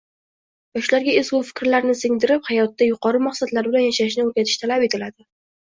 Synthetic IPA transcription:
jɒʃlaɾɡʲaesbʊfɪ̥kʲɾlaɾnɪsɪŋd̪ɪɾɪphajɒt̪ːajʊqɒɾɪmaɑχsat̪laɾbɪlanjaʃaɪʃnɪoɾɡʲat̪ʰɪ̥ʃt̪ʰalape̞t̪ʰɪlad̪ɪ

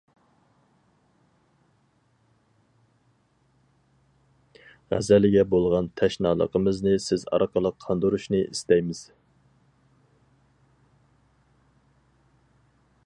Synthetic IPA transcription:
ʁæ̰zɛlɪɡʲɛbolˠʁɑnt̪ʰɛʃnɑ̰ːlˠə̰qʰəmɨznɨsɪzɑ̰ɾqʰəlˠəqʰːɑnd̪uɾuʃnɨʔist̪ɛjmɪz̥

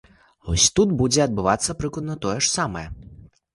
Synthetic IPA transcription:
vɔ̰sʲt̪ut̪bud͡zʲɛɐd̪̚bɨvat̪sːɐpɾɨklˠɐd̪nɐt̪ɔjɛʂsamɐjɛ

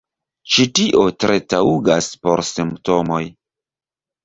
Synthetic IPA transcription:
t͡ʃitiʔo̞tɾʔe̞tauɡaspo̞̰ɾsimpto̞mo̞j

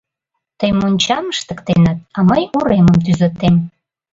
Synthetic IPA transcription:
t̪əjmonʲt͡ɕɑməʃt̪əkt̪enət̪̚ɑməjuɾeməmt̪yzə̆t̪em

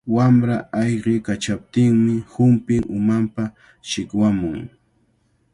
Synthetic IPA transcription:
wamɾaajɢɪkat͡ʃap̚t̪ɪŋmɪhʊmpɪŋʔʊmampa | ʃɪkwamʊŋ

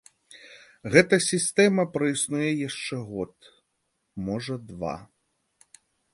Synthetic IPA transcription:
ɣɛt̪ɐsʲist̪ɛmɐpɾɐjisnujɛjaʂt͡ʂɛɣɔt̪ | mɔʐɐd̪va̰

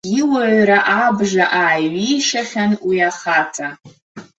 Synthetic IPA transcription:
iwaʕɾaʔabʐaʔaːjɥijʂaχʲanwiaχatʰa

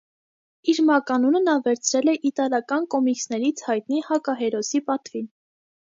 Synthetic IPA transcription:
iɾmɑkɑnunənɑvɛɾt͡sʰɾɛlɛʔit̪ɑlɑkɑnkɔmiksnɛɾit͡sʰhɑjt̪nihɑkɑɦɛɾɔsipɑt̪vin

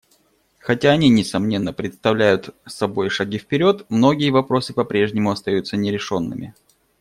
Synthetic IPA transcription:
xɐtʲaɐnʲinʲɪsɐmnʲe̞nːəpɾʲɪt̪st̪ɐvlʲæjʊt̪sːɐbo̞jʂɐɡʲifpʲɪɾʲo̞t̪mno̞ɡʲɪjəvɐpɾo̞sɨpɐpɾʲe̞ʐnʲɪmʊɐst̪ɐjut̪sənʲɪɾʲɪʂo̞nːɨ̰mʲɪ̰

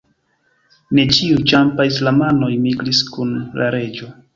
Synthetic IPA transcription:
ne̞t͡ʃiut͡ʃampais̬lamano̞jmiɡɾiskunlaɾe̞d͡ʒo̞

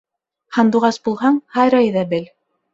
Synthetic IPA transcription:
hɑnd̪uʁɑsbulˠɦɑɴhɑjɾɑjðɑbɘl

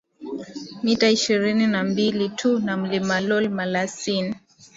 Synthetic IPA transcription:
mitaiʃiɾininambilitʰunam̩limalɔlmalasin

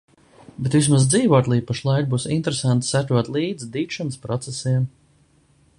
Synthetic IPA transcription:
bet̪vismazd̪ziːvoɔt̪lˠijpaʃlˠajk̚buːsint̪eɾesant̪sæt̪ɾuɔt̪lˠiːd̪zd̪iːtʃanspɾɔt̪sɛsiɛm

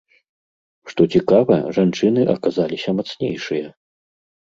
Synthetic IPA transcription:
ʂt̪ɔt͡sʲikavɐ̰ʐant͡ʂɨnɨʔɐkazalʲisʲɐmat̪snʲḛjʂɨjɐ

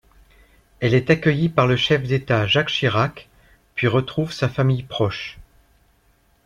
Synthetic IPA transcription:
ɛlɛt̪akʲəjipaʁləʃɛfd̪et̪aʒakʃiʁak | pɥiʁət̪χuvsafamijpχɔʃ

